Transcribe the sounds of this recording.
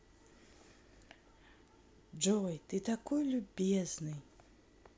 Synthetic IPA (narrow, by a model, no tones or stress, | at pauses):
d͡ʒojt̪ɨt̪ɐkojlʲʊbʲeznɨj